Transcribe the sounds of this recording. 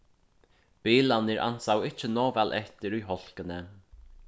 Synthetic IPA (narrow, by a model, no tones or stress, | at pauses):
b̥iːlanɪɾʔa̰n̥sawɪt͡ʃːənɔːvɛlʔɛht̪ɪɾujɦɔl̥kənə